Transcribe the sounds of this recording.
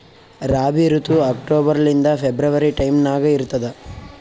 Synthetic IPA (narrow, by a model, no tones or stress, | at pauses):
ɾaːbiɾut̪uɐkʈoːbɐɾɐlind̪ɐpʰebɾɐʋɐɾiʈɐjmnaːɡɐiɾut̪ːɐd̪ɐ